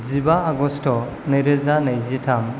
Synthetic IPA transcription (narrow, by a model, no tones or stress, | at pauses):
zibaːɡɔstɔ | neɾezanajzitʰam